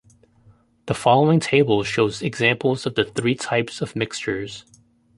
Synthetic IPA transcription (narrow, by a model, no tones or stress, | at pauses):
ðəfɑlˠoʊɪ̃ŋtʰeɪbl̩ˠʃoʊzɨɡzæ̃mpl̩ˠzʌvðɨθɹitʰaɪpsʌvmɪkst͡ʃə˞z̥